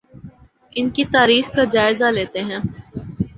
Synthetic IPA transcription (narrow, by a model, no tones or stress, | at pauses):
ɪnkit̪aːɾiːxkad͡ʒaːɪzaleːt̪eɦɛ̃ː